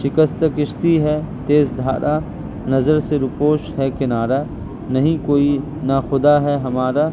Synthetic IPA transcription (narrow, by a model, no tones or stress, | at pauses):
ʃɪkəst̪əkɪʃt̪iɦɛt̪eːzd̪ʱa̰ːɾʔa | nɐzəɾseɾʊpoːʃɦɛkɪnaːɾa | nɐɦĩkoːi | naxʊd̪aɦɛɦɐmaːɾaː